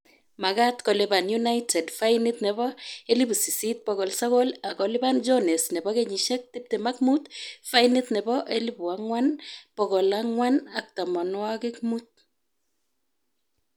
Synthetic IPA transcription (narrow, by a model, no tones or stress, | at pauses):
makatkɔlebanjunajtʰɛdfajnɪt̪nɛbɔelibusisit̚pɔkɔlsakɔlakɔlɪband͡ʒɔnɛsnɛbɔkeɲiʃɛk̚tɪp̚temak̚mutfajnɪt̪nɛbɔʔelibuaŋwanpɔkɔlaŋwanak̚tamɔnwakɪk̚mut̚